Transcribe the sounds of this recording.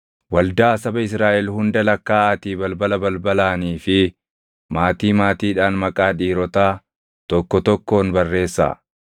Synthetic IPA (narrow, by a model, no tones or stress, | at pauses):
wɐld̪aːsɐbɐɪsɾaːʔɛlhʊnd̪ɐlɐkːaːɐt̪iːbɐlbɐlɐbɐlbɐlaːniːfɪ | maːt̪iːmaːt̪iːᶑaːnmɐkʼaːᶑiːɾɔt̪aː | t̪ɔkːɔt̪ɔkːo̞ːnbɐrːe̞ːsːa̰ː